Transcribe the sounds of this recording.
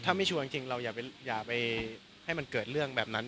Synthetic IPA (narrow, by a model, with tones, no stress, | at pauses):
t̪ʰaː˥˩ma˥˩t͡ɕʰu˧ɐi˧ŋt͡ɕi˧ŋɾa˧wjaː˨˩k̚pa˧jaː˨˩k̚pa˧j | ha˥˩jma˧nkɤː˨˩t̪̚ɾɯ˥˩əŋbɛː˨˩p̚na˦˥n